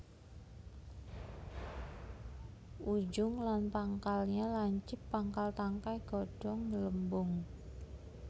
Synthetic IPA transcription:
ʔud͡ʒʊŋlanpaŋkalɲalaɲt͡ʃɪpːaŋkalt̪aŋkajɡ̥ɔɖ̥ɔŋələmbʊŋ

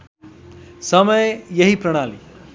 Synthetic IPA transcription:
səməjjeɦipɾɐɽ̃aːlḭ

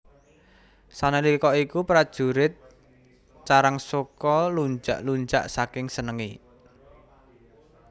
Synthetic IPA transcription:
sanelikɔikupɾad̥ʒ̥uɾɪt̪̚ | t͡ʃaɾaŋsokɔluɲd͡ʒa̰ʔluɲd͡ʒa̰ʔsakɪŋsənəŋi

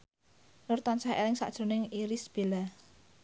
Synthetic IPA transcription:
nʊrt̪ɔnsahḛlɪŋsa̰ʔd̥ʒ̥ɾo̤nɪŋiɾisb̥e̤la

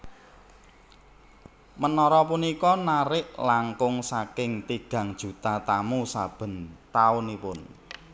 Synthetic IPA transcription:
mənɔɾɔpunikɔnaɾɪʔlaŋkʊŋsakɪŋt̪iɡ̥ä̤ŋd̥ʒ̥ṳt̪at̪amusab̥ə̤nt̪aʊnipʊn

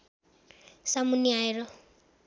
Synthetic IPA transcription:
samuniaiɾɔ

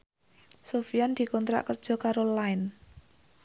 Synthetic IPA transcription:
sofiand̪̥i̤kɔnt̪ɾa̰ʔkərd̥ʒ̥ɔ̤kaɾolaɪn

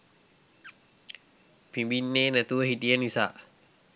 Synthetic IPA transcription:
pʰibinːenat̪uəɦit̪iənisa̰ʔ

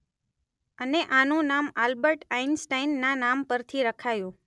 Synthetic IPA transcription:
əneʔanũnamalbəɾʈainsʈainːanampəɾt̪ʰiɾəkʰajũ

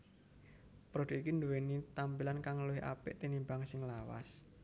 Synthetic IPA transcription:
pɾod̥oʔikind̪uwenit̪ampilankaŋəluɪʔa̰pɪʔt̪inimbaŋsɪŋlawa̰s

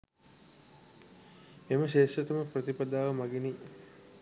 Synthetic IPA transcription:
eməʃeːʂɐt̪əməprɐt̪ipad̪aːʋəmaɡeni

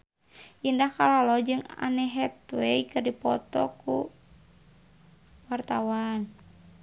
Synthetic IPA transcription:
ʔindahkalalɔd͡ʒɨŋa̰nɛɦɛt̪wɛikɨrdipɔ̰t̪ɔ̰ku | wart̪awan

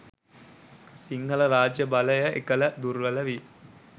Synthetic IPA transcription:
siŋɡɐlɐɾaːd͡ʒjɐbɐlɐjɐʔḛkɐlɐd̪uɾʋɐlɐʋi

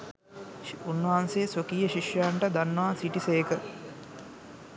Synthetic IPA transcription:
unːɦanseːsokijəʃiʃjɐjaɳʈəd̪anːəʋaːsiʈisejkə

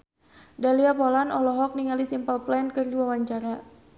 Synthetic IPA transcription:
daliapɔlanɔlɔɦɔk̚niŋalisimpəlplɛnkərdiwawaɲt͡ʃaɾa

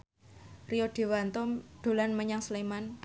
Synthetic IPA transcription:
rioɖ̥e̤want̪ɔɖ̥o̤lanməɲaŋsleman

